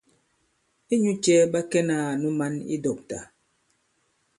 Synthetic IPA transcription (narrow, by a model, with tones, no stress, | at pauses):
e˦ɲu˦t͡ʃɛ˦ɓa˦kɛ˦na˦˨nu˦ma˦nḭ˦dɔ˨p̚ta̰˨